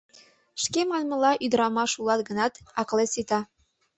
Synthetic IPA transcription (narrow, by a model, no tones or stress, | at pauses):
ʃkemɑnmɤ̆lɑʔyd̪ɾɑmɑʃulˠɑt̪ɡɤ̆nɑt̪ɑklesit̪ɑ